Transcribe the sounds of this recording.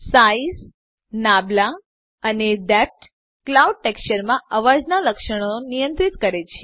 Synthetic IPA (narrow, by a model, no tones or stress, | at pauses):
sais | nabla | əneɖɛp̚ʈ | klauɖ̚ʈekt͡ʃəɾmãəʋad͡ʒnaləkʃəɽ̃onijənt̪ɾit̪kəɾet͡ʃʰe